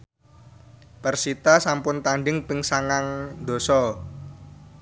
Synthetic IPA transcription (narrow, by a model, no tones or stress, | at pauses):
pərsit̪asampʊnt̪aɳɖɪŋpɪŋsaŋaŋd̪o̤sɔ